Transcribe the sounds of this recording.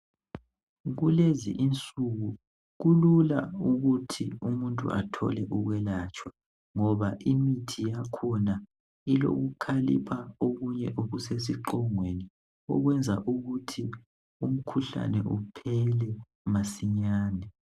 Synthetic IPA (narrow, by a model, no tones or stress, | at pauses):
ɣulezḭʔint͡sʼuɣu | ɣulula̰uɣutʰiumuntʼṵʔa̰tʰɔ̰lɛʔuɣwɛlat͡ʃʼwa | ŋɔβaʔimitʰijakʰɔna | ilo̰ɣukʰalḭpʰaoɣuɲɛʔoɣuses̬iǃɔŋweni | ɔ̰ɣwɛnd͡zʱaʔuɣutʰi | um̩kʰuɬa̰nɛ̰ʔupʰɛlɛ | masiɲaːnɛ